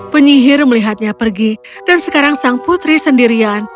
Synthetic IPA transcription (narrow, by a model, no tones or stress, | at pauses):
pəɲiɦɪrməliɦat̪̚ɲapərɡi | dansəkaɾaŋsaŋput̪ɾisəndiɾian